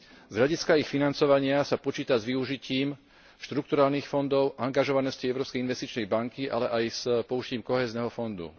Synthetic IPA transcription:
zɦʎaɟiskaixfinant͡sɔʋaɲɪasapɔt͡ʃiːt̪azʋiuʒiciːm | ʃt̪ɾuk̚t̪uɾaːlniːxfɔnd̪ɔʊʔaŋɡaʒɔʋanɔsciɛʊɾɔːpskɛjinʋɛst̪it͡ʃnɛjbaŋkiʔa̰lɛʔajspɔuʒciːmkɔɦɛːznɛɦɔfɔnd̪ṵ

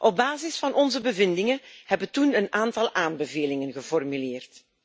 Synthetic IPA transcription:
ʔɔb̚baːzɪsfɑnʔɔnzəbəvɪndɪŋəhɛbətunənaːntɑlˠʔaːnbəveːlɪŋənɣəfɔrmyleːrt

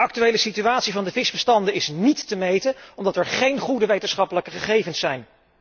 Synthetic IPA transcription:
ɑk̚tyʋejləsityaːtsivɑndəvɪsbəstɑndəɪsnitːəmejtəɔmdɑtɛɹχejnχudəʋejtənsχɑpələkəχəχejvənsɛjn

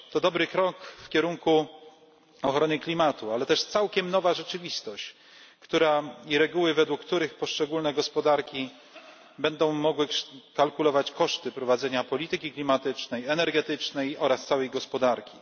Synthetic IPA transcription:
t̪ɔd̪ɔbɾɘkɾɔkfkʲɛɾuŋku | ɔxɾɔnɘklʲimat̪ualɛt̪ɛʂt̪sawkʲɛmnɔvaʐɛt͡ʂɘvʲist̪ɔɕt͡ɕ | kt̪uɾaiɾɛɡuwɘvɛd̪wukːt̪uɾɘxpɔʂt͡ʂɛɡulnɛɡɔspɔd̪aɾkʲi | bɛnd̪ɔ̃w̃mɔɡwɘʂkalkulɔvat͡ɕkɔʂt̪ɘpɾɔvad̪zɛɲapɔlʲit̪ɘkʲiklʲimat̪ɘt͡ʂnɛjɛnɛɾɡɛt̪ɘt͡ʂnɛjɔɾast̪sawɛjɡɔspɔd̪aɾkʲi

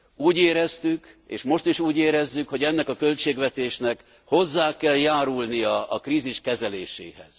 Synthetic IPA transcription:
uːɟeːɾɛst̪ykḛːʃmo̞ʃt̪iʃuːɟeːɾɛzːykho̞ɟɛnːɛkɒkølt͡ʃeːɡʋɛt̪eːʃnɛk | ho̞zːaːkɛljaːɾulnijɒɒkrɾiːziʃkɛzɛleːʃḛːɦɛ̰z̥

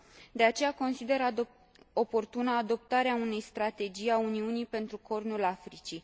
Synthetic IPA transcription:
d̪e̞at͡ʃe̞jako̞nsid̪e̞ɾa | o̞po̞rt̪unəːd̪o̞p̚t̪aɾeaune̞jst̪ɾat̪e̞d͡ʒijauniunipe̞nt̪ɾuko̞rnulafɾit͡ʃi

